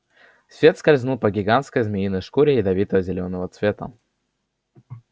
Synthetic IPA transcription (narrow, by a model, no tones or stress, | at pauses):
svʲe̞t̪skɐlʲznupəɡʲɪɡant̪skəjzmʲɪjinəjʂkuɾʲɪɪd̪ɐvʲit̪əvəzʲɪlʲonəvət̪svʲe̞t̪ə̰